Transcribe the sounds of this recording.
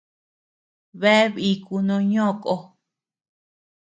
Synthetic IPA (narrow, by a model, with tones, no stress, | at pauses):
βe˦βi˧ku˧nõ˧ɲõ˦˨kʼo˧